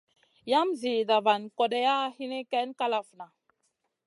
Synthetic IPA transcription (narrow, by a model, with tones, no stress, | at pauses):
ja˦mzi˨da˨va˨nkɔ˨dɛ˦ja˦hi˦ni˦kɛ˦nka˦la˨fna˨